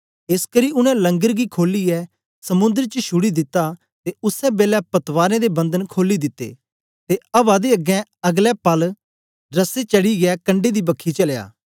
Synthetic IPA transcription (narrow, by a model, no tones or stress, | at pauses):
eskəɾiʊnɛ̃lɐ̃ŋɡəɾɡikʰoːliɛ | sɐmʊ̃nd̪əɾt͡ʃəʃʊɽid̪ɪt̪ːa | t̪eʊsɛbeːlɛpɐt̪ʋaːɾẽd̪ebɐ̃nd̪ənkʰoːlid̪ɪt̪ːḛː | t̪eɐbad̪eɐɡɛ̃ɐɡlɛpɐl | ɾɐset͡ʃɐɽiɡɛkɐ̃ɳɖed̪ibɐkʰːit͡ʃɐlja̰ː